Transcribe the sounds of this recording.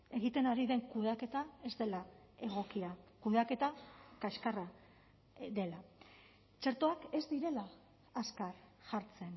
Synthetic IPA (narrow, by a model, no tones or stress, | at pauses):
e̞ɣ̞it̪e̞naɾiðe̞ŋkuðake̞t̪ae̞zd̪e̞lae̞ɣ̞o̞kiakuðake̞t̪akaʃkara | ðe̞la | t͡ʃe̞ɾt̪o̞ake̞zd̪iɾe̞laː | skaɾʝaɾt͡se̞n